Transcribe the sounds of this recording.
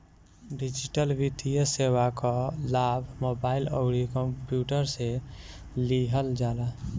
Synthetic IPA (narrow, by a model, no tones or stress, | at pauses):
ɖid͡ʒiʈəlʋid̪ijəsewakalabʱmoːbaːɪləɡɽikəmpjuːʈəɾse | liɦəld͡ʒaːla